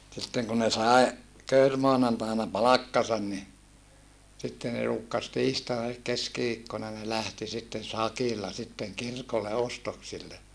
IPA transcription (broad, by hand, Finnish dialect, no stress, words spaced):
sitːeŋ ku ne sɑe køyrmoɑnɑntɑinɑ pɑlɑkːɑsɑn ni sitːe ne ruːkːɑs tiːstɑinɑ elik keskiʋiːkːonɑ ne læhti sitːen̞ sɑkilːɑ sitːeŋ kirkolːe ostoksilːe